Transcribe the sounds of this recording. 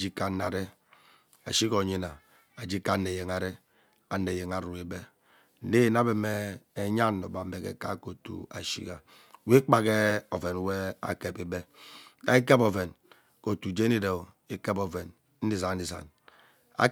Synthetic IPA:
d͡ʒi˦ka˦nːa˨ɾe˦ | a̰˨ʃi˦ko˨ɲi˦na˨ | a˨d͡ʒi˦ka˦nːe˨je˨ŋa˨ɾe˦ | a˨ne˨je˨ŋa˨ɾu˨e˨be˦ | ne˦˨na˦be˨me˦e˨ɲa˦nːo˨ba˨˦e˨kḛ˨ka̰˦ko˨tṵ˨a̰˨ʃḭ˦ka˨ | we˦k͡pa˨ɣe˦o˨ve˨n˨we˦a̰˨ke˨bi˨be˦na̰˨i˦ke˦bo˨ve˨n | ko˨tu˨d͡ʒe˦ni˦de˨ | i˦ke˦bo˨ve˨n˦ | n̩˦di˦za˨n̩˦di˨za̰˨n | a̰˦

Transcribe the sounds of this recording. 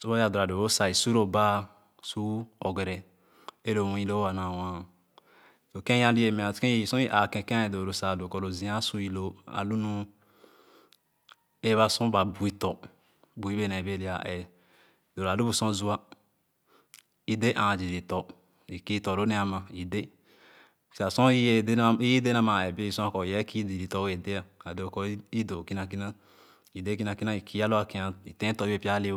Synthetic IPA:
so˦ba˦ja˨du˨ɾa˨do˨ɾo˦sa˨i˨su˦ɾo˨ba˦ | su˦ɔ˨ɡe˨ɾɛ˨ | e˦lo˨wũ˦i˦lo˦a˨na˨wã˦ | to˨kẽ˦ã˦li˦e˨me˨a˨kẽ˦˨sõ˦ʔa˨kɛ̃˨kẽ˦˨do˨ɾo˨sa˨do˨kɔ˨ɾo˨zĩ˨a˦su˦i˨lo˦a̰˨lu˦nu˦ | e˦βa˦sũ˦ba˨bu˨i˦tɔ˨ | bu˨i˦be˦ne˨be˦li˦a˨ʔe˨ | d̥o˨ɾa˨du˦bu˨sɔ̃˦˨zu˦a˦ | i˨de˦ʔã˨d͡ʒi˨di˨tɔ˨ | i˨ki˦tɔ˨ɾo˦nɛ˦a˨ma˨i˨de˦ | si˨a˨sɔ̃˦i˦e˦i˦je˦de˦na˦ma˨ɛ˨be˦i˨sɔ̃˦a˦kɔ˨jɛ˦ki˦di˨ɾi˨tɔ˦e˨de˦a˨a˨do˨kɔ˦i˦do˨ki˦na˨k̬i˦na˦ | i˨de˦k̬i˦na˨ki˦na˦i˨ki˦a˦lo˦a˨ki˦a˨i˨tɛ̃˦tɔ˨˦i˦e˦˨pi˦a˦li˦

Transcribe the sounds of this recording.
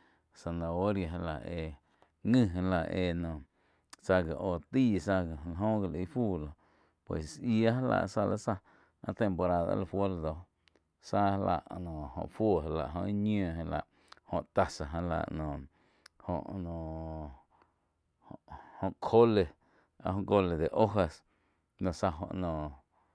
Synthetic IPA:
sa˧˨nã˨o˦ɾja˨ɦa˧la̰˨ʔe˧ | ŋɨ̃˦˧ɦẽ˧la˧˨ʔeː˧˨nɔ̃ː˨ | sa˧ɡa˨ʔoː˨t̪iː˦˨sa˧ɡla˧˨ɦõ˦ɡa˧˨li˧˦fuː˦˨lo˨ | pwḛ˨ssi˧a˦ɦa˦la̰˧˨ʔsa˧lʔa̰˦sa˧ | ã̰˦t̪e˨mpo˧ɾa˧ða̰˧˦la˧fwo˦la˧d̪o˧˦ | sa˦ha˧la̰˧˨ʔnõː˨õ̰˧˨fo˦˨ɦa˧la̰˧˨ʔɦõ˧i˦ɲõː˨ɦẽ˧la̰˧˨ʔ | hõ̰˧˨ʔt̪a˧sa˨ɦã˧la̰˧˨ʔnõː˨ | hõ̰˧˨ʔnõ˨ | hohõ˧ʔkʰo˦le˨ | a̰˧hõ˧ɡo˧le˨d̪e˨ʔo˦ɦa˧s | nõ˨sa˧ɦõ̰˧ʔnõː˨

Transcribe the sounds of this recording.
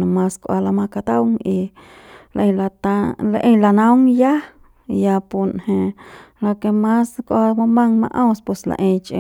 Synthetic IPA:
nõ˧mã˦skʷʔa˧la˧mã˧ka˧t̪a˦wŋi˧ | la̰˧ʔẽ˧la˧t̪a˧la˧ʔẽ˧˦la˧nã˦wŋja˦ | ja˧pu˧nhẽ˧ | lo˧ke˧mã˦skʷʔa˧mã˧mã˦ŋmã̰˦ʔõ˦spwe˧sla̰˧ʔẽ˧t͡ʃʔḛ̃˧

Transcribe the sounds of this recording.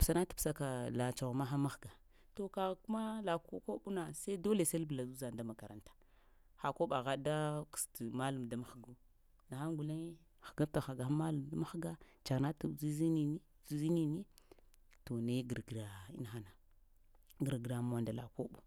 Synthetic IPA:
psa˨na˦tu̥˨psa˦ka˨la˨t͡ʃa˨ɣma˦ɦa˦ma˦xɡa˨ | to˨ka˨ɣku˦ma˦la˨ko˦ko˦ɓu˦na˨sa˦i˦do˦le˨se˦bla˨zu˦za˨nda˦ma˨ka˨ɾa̰˨ntḁ˨ | xa˨ko˦ɓa˨ɣa˦da˦ku̥˨sti˨ma˦lu˨m˨da˦ma˨˦xɡu˦ | na˨xa˦ŋɡu˨la˦ | xḁ˨ɡa˦ta˨xa˨ɡa˨xa˦ma˦lu˨mda˦ma˦xɡa˦t͡ʃa˨ɣna˦tu˨zi˦zi˦ni˦ni˦ | zi˦zi˦ni˦ni˦ | to˨na˦ɡə˨ɾɡɾa˨ḭ˦na˨xa˦na˨ | ɡə˨ɾɡɾa˨m˨a˨nda˨la̰˨ko˦ɓu˦

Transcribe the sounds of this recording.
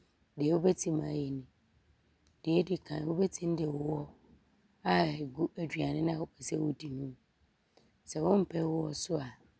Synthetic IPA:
dɪ˨ɛ˨wʊ˦bɛ˦tʰi˦mã˨˦je˨nʊ̃˨ | dɪ˨ɛ˦dɪ˨kʰã˨n˨wʊ˦bɛ˦tʰĩ˦n˦dɪ˨wʊ˦wɔ˦ | a˦˨ɡu˦æ˨dᶣɥa˨nɪ̃˦nã˦˨wʊ˨pʰɛ˨sɛ˦wʊ˦di˨nũ˦ | sɛ˨wʊ̃˦m̩˦pʰɛ˦wʊ˦wɔ˦sʊ˦a˨

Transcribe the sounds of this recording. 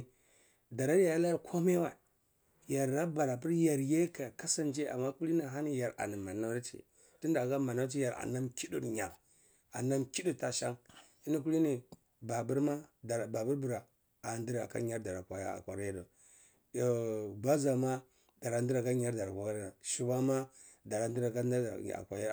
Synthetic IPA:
da˨ɾa˦ɾja˨ja˦la˦ja˨kʰo˦ma˦wa˨ | ja˨ɾːa˦ba˨ɾa˨pi˦ɾja˨ɾje˦ka˨ka˦sa˦nd͡ʒe˦a̰˨mːa˦ku˦li˦na˨ɦa˦ni˦ja˨ɾa̰˨ni˨ma˨na˦ɾt͡ʃḭ˨ | ti˦nda˨ɡa˦ma˨na˦t͡ʃi˦ja˨ɾa̰˨na˦mki˦du˦ɾɲa˨ɾ | a̰˨na˦mki˦du˨ta˦ʃa˦ŋ | i˦ni˦k̬u˦li˦ni˨ | ba˨bu˦ɾma˦dba˨bu˦ɾbu˨ɾa˨ | a˨ndi˦ɾa˨ka̰˦ɲa˦ɾda˨ɾa˨kʷa˨ja̰˦a̰˨kʷa˨ɾa˦a˦do˨ | o˨ba˦za˨ma˦ | d̥a˨ɾa˨ndi˦ɾa˨ka˦ɲa˦ɾda˨ɾa˨kʷa˦ɾa˦da˨ʃi˦ba˦ma˦ | da˨ɾa˨n˦di˦ɾa˨ka˦a̰˦˨a̰˨kʷa˨ja˦˨

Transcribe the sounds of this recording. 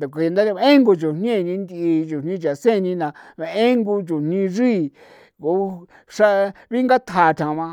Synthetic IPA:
d̪a˨ka˧nd̪a˦ɾa˧e˦ŋɡo˧t͡ʃu˨n̥ɲ˦ẽ˦˨˧nĩ˧nd̪i˧i˧t͡ʃu˨n̥ĩ˦t͡ʃa˨sẽ˦˨˧nĩ˧nã˧e˧ẽ˦ŋɡu˧t͡ʃu˨n̥nĩ˧ʐiː˦˨ | ko˨˦ | ʂa˦βi˦ŋɡa˦t̪ʰa˧˨˧t̪ʰã˨˧βã˧

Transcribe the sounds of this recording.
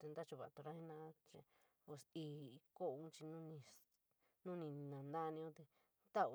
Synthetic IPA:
t̪e˧nd̪a˦t͡ʃu˧βa̰˨t̪o˧ɾa˦hĩ˦nã˧˦t͡ʃe˧ | o˧siː˧ko˦˧ũ˦t͡ʃi˧nũ˦nĩ˧ | nũ˦nĩ˧nã˨nd̪a˦˧nĩ˧õ˦t̪e˧ | t̪a˦u˧

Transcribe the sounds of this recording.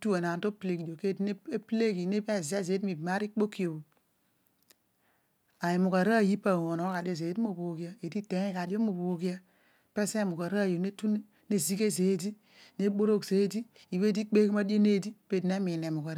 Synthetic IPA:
tu˦e˨na˨nto˦ple˨ɡi˨do˨ke˦dn˦e˦ple˦ɡi˨ne˦be˦˨ze˦˨ze˨˦dmi˨ma˦ɾi˦k͡po˦ki˦o˨o˨ | a˨je˨mu˨ka˨ɾa˦˨ji˦pa˨wo˨no˨˦ka˨de˦ze˨˦tmo˨bo˨˦ɡi˦a˦e˨di˦te˨˦ka˨di˦o˦mo˨bo˨˦ɡi˦a˦ | pe˦se˦˨mu˨ɡa˨ɾa˦˨jo˨ne˦tu˦n˦ | ne˦zi˦ke˦ze˨˦di˦ | ne˦bo˦ɾo˦kse˨˦di˦ | i˨βe˦di˦k͡pe˦kma˦do˦ne˦di˦pe˦dne˦mi˨ne˨mu˨ɡa˨ɾ

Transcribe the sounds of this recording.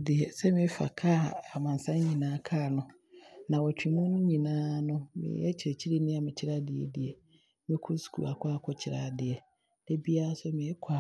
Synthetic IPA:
dɪ˨ɛ˨sɛ˦mɪ̃˦fa̰˨kʰa˦˨a˨mã˨n˨sã˦n˦ɲĩ˨nãː˨˦kʰaː˦˨nʊ̃˦ | nã˨wɔ˨t͡ɕᶣĩ˨mũ˦nʊ̃˦ɲĩ˨nãː˦nʊ̃˦mɪ̰̃˨˦ɛ˦t͡ɕʰɪ˨ɾɛ˨t͡ɕʰi˦ɾe˦nɪ̃˦a˨mɪ̃˨t͡ɕʰɪ˦ɾa˦dɪ˨ɛ̰˨dɪ˨ɛ˨ | mɪ̃˦kʰʊ˦su̥˨kʰṵ˨a˨kʰʷa˦kʰɔ˦t͡ɕʰɪ˨ɾa̰ː˦˨dɪ˨ɛ˨ | d̥ɛ˦bi˦a˦sɛ˦mɪ̃˨˦kʷʰa˨

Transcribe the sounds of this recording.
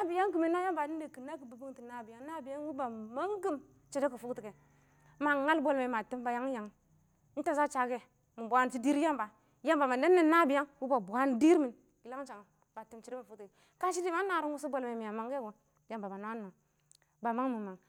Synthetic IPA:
na˦bi˨ja˦ŋki˨mi˦na˦ja˦mba˨ni˦de˨ki˨na˦ki˨bu˨bu˦ŋti˨na˦bi˨ja˦ŋna˦bi˨ja˦n˦wu˦ba˨ma˦ŋɡi˦m | t͡ʃi˨de˦ki˨fu˦kti˨ke˨ | ma˨ŋa˦lbo˦lme˨ma˨ti˦mba˨ja˦ŋ˦ja˨ŋ̩˦ | ta˦za˦t͡ʃa˨ɡe˦ | mu˨bʷa˦nti˦di˦ɾja˦mba˨ | ja˦mba˨ma˨ne˦nːe˦˨˦na˦bi˨ja˦ŋwu˦ba˨bu˨a˦ndi˦ɾmi˨n | ɡi˨la˦ŋ˦t͡ʃa˨ŋ˨ | ba˨ti˦mt͡ʃi˨de˦ma˨fu˦kte˨ | ka˦ʃi˦di˦ma˦na˨ɾu˦ŋ˦u˦s̬u˦bo˨lme˨mi˨ja˨ma˨ŋɡe˦ɡo˨ | ja˨mba˨ba˨na˦n˦ma˨ŋ | ba˨ma˦ŋmi˨ma˨ŋ

